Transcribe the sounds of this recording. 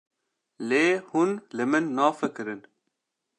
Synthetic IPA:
leːhunlɨmɨnːaːfəkɨɾɨn

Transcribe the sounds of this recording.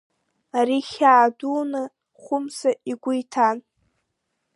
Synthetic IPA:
aɾiχʲaːdunɨ | χʷʊmsaʔiɡʷʊjtʰan

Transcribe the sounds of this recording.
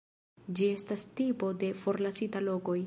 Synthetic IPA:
d͡ʒie̞stastipo̞de̞fo̞ɾlasitalo̞ko̞j

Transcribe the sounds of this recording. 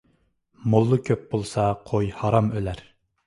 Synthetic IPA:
molˠːʊkʲʰøp̚b̥olˠsɑqʰojhɑɾɑmølæɾ

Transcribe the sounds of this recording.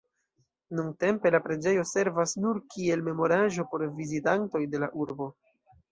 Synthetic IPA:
nuŋte̞mpe̞lapɾe̞d͡ʒe̞jo̞se̞ɾvasnuɾkʰie̞lme̞mo̞ɾaʒo̞po̞ɾvizitanto̞jde̞laʔuɾbo̞

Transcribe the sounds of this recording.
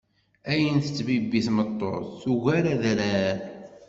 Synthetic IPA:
æjənθə̥t͡sːbibːiθmət̪ˤːo̰ɾθuʝæɾæðɾæ

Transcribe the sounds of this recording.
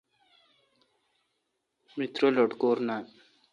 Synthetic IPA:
mit̪ɾoloɖkoːɾnan

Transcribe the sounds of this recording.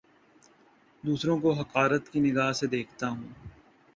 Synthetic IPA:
d̪uːsɾõk̬oɦɐqaːɾət̪kinɪɡaːɦsed̪eːkʰt̪aɦũː

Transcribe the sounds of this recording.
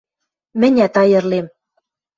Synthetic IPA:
mɘ̆nʲæt̪ɑjɤ̆rlem

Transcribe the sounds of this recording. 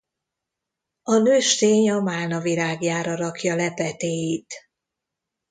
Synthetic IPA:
ɒnøːʃt̪eːɲɒmaːnɒviɾaːɡjaːɾɒɾɒkjɒlɛpɛt̪eːjit̪

